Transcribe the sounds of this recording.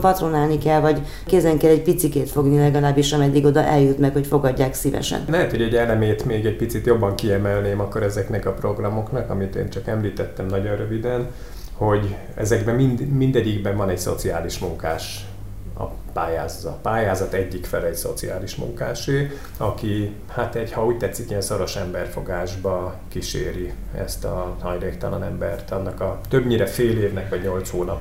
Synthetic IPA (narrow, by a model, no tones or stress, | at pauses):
pɒt̪ronaːlnikɛlvɒɟ | keːzɛŋkɛlːɛɟpit̪sikeːt̪fo̞ɡnilɛɡɒlaːbːiʃɒmɛd̪ːiɡo̞d̪ɒʔɛljut̪mɛkho̞cfo̞ɡɒɟːaːksivɛ̰ʃɛ̰nlɛɦɛt̪ho̞ɟɛɟɛlɛmeːt̪meːɡɛc̚pit̪sit̪jo̞bːɒŋkiɛmɛlneːmɒkːo̞ɾɛzɛknɛkɒpro̞ɡrɒmo̞knɒkɒmit̪ḛːnt͡ʃɒkɛmliːt̪ɛt̪ːɛmnɒɟonrøvid̪ɛn | ho̞ɟ | ɛ̰zɛɡbɛminmind̪ɛɟːiɡbɛɱvɒnɛɟso̞̰t̪siaːliʃmuŋka̰ːʃ | ɒ̰ | paːjaːzzɒt̪paːjaːzɒt̪ɛɟːikfɛlɛcso̞̰t̪sia̰ːliʃmṵŋkaːʃeː | ɒki | hat̪ɛɟhɒuːc̚ʲt̪ɛt̪sːikiɛnso̞ɾo̞ʃɛmbɛrfo̞ɡaːʒbɒ | kiʃḛːɾi | ɛ̰st̪ɒhɒjleːkt̪ɒlɒnɛmbɛrt̪ɒnːɒkɒt̪ø̞bɲiːɾɛfeːleːvnɛkʋɒɟɲo̞lt̪shoːnɒp